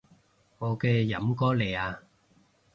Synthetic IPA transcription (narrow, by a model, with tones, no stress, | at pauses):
ŋɔː˨˧kɛː˧jɐ̰˨˥mkɔː˥le˨˩aː˧